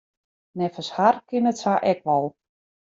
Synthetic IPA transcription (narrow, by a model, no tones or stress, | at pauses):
nɛfəsharkɪnətsaʔɛkʋɔlˠ